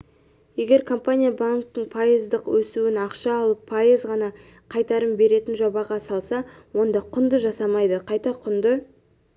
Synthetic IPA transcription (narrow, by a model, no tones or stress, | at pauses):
je̞ɡʲe̞ɾkʰo̞mpanʲijabaŋk̚t̪əɴpʰajəzd̪əqwɵsuwɪnɑqʃɑːlˠəpʰːajəzʁɑnɑ | qʰɑjt̪ɑɾəmbe̞ɾe̞t̪ɪnʒobɑʁɑsɑlˠsɑwo̞nd̪ɑqʰʊnd̪əʒɑsɑmɑjd̪əqʰɑjt̪ɑqʰʊnd̪ə